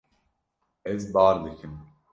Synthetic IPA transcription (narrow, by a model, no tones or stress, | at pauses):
ɛzbaːɾd̪ekʰim